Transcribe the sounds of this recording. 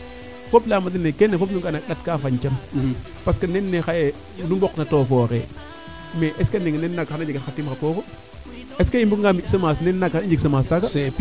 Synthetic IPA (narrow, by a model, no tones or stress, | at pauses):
foplamat̬inekenefop̬nuŋɡanak̚ɗatkafaɲt͡ʃam | paskanenːexaje | numboknatoːfɔːɾe | meʔeskaniŋnenːakxanad͡ʒetxatimxapoːko | eskajimbukŋɡamisəmasnenːakniɲd͡ʒiksəmastaka